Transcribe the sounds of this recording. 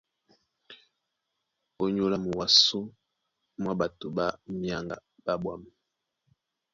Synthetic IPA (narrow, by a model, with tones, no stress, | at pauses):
o˦ɲo˦la˦mu˨wa˨so˦ | mwa˦ba˨to˨ba˦mja˦ŋɡa̰˨ba˦bwa˦˨m˨